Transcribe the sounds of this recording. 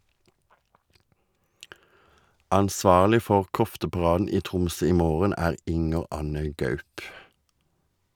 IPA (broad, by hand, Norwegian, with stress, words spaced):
ʔɑnˈsʋɑːʁlɪ ˈfɔʁ ˈkɔftəpɑˌʁɑːdn̩ ˈiː ˈtʁʊmsœ ˈiː ˈmoːʁən ˈæːʁ ˈʔɪŋəʁ ˈʔɑnə ˈɡœʉp